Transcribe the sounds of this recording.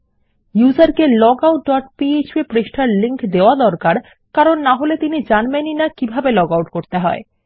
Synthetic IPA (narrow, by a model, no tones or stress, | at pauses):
jud͡ʑaɾkelɔɡawʈ̚ɖɔʈpiet͡ɕbipɾeʃʈʰaɾliŋkd̪eoad̪ɔɾkaɾ | kaɾonːaɦolet̪inid͡ʑanmeninakibʱabelɔɡawʈkoɾt̪eɦɔe